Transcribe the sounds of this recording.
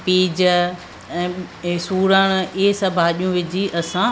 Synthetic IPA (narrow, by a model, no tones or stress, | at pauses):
piːd͡ʑ | ɛ̃ːsuːɾəɽ̃ʊɪɦsɐbʱaːɗijũʋɪd͡ʑiʔɐsã